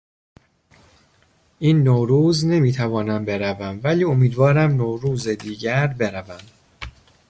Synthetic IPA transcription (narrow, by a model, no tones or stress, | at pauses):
ʔiːnːoːɾuːzne̞miːt̪ʰævɒːnæmbe̞ɾævæmvæliːomiːd̪vɒːɾæmnoːɾuːzed̪iːɟæɾbe̞ɾævæm